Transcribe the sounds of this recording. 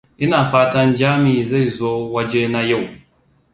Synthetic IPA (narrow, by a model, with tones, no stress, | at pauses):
i˦na˨faː˦ta˦nd͡ʒaː˦mi˨za˦˨jzo˦wa˦d͡ʒe˦na˦ja˦˨w